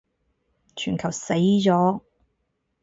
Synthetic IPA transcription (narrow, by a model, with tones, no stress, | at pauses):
t͡ʃʰyː˨˩nkʰɐ˨˩wse˨˥jt͡sɔː˨˥